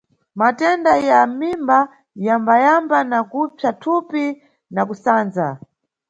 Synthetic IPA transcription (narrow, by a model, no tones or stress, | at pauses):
matɛndajamimba | jambajambanakupjatʰupi | nakusaːnd͡za